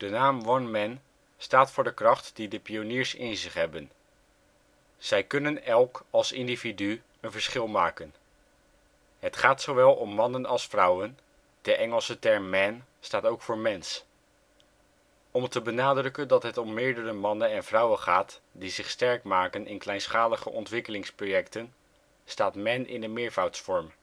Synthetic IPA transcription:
d̥ənaːmʋɑnmɛn | staːtfʊːɹdəkrɑχtdidəpioniːɹsɪ̰nzɪχɦɛbən | z̥ɛjkɵnənɛlˠkɑlˠsɪndividy | ənvəɹsχɪlˠmaːkən | ɦətχaːtsowʋɛlˠɔmːɑnənɑlˠsfrʌwən | d̥əʔɛŋəlˠsətɛɹmmɛn | staːtowkfʊːɹmɛns | ɔmtəbənaːdrɵkəndɑtɦətɔmːɪːɹdərəmɑnənɛnvrʌwəχaːtdizɪχstɛɹkmaːkənʔɪnklɛjnsχaːləχə̰ʔɔntʋɪkəlɪŋsprojɛktən | staːtmɛnɪ̰nənmɪːɹvawtsfɔɹm

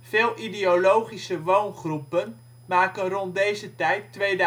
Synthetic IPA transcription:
v̥eːlˠʔideolowχisəʋownχrupən | maːkənrɔnt̚dejzətɛjtːʋejd

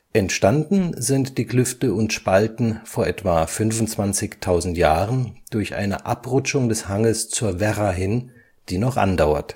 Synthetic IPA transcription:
ʔɛntʃtandn̩zɪntd̥iːklʏftəʊntʃpaltn̩foːɐʔɛtv̥afʏnvʊnt͡sv̥ant͡sɪçtʰaʊzn̩tjaːʁənd̥ʊɐçʔa̰ɪnə̰ʔa̰pʁʊt͡ʃʊŋdɛshaŋəst͡suːɐvɛʁaɦɪn | d̥iːnɔχʔa̰ndaʊɐ̰t

